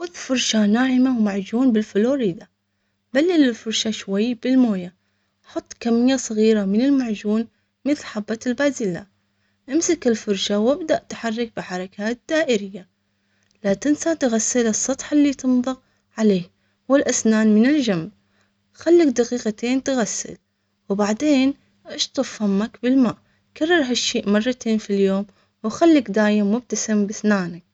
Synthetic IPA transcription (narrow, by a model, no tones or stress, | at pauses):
xʊðfʊɾˤʃanaːhɪmawmaʕd͡ʒuːnbɪlfʊloːɾiːd̪a | balːɪlɪlfʊɾˤʃaʃwajːb̥ɪlmoːja | ħʊt̪ˤːkamːɪjːasˤɨɣiːɾamɪnɪlmaʕd͡ʒuːn | mɪθlħabːat̪ɪlbaːzɪla̰ | ʔamsakɪlfʊɾˤʃawɪbd̪aʔt̪ħɑrˤːɑk̚bɪħɑɾˤɑkʰaːt̪̚d̪̥aːʔɪɾɪjːa | lat̪ɪnsat̪ɪɣasːɪlɨsˤːɑt̪ˤħalːiːt̪ɨnðˤɑq | ʕaleːh | wɪlʔasnaːnmɪnɪld͡ʒamb | xalːakd̪aqiːqat̪eːnt̪ɪɣasːɪ̰l | wbaʕd̪eːn | ʔɪʃt̪ˤɑfhamakbɪlmaːʔ | kɑrˤːɑɾˤɦaʃːiːʔmɑrˤːɑt̪ʰeːnfiljoːm | wxalːɪkd̪aːjɪmːʊb̚t̪asɪmbasnaːnak̚